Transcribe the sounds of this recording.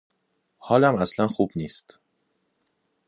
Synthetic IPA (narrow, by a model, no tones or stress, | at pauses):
hɒːlæmæslænxuːb̥niːst̪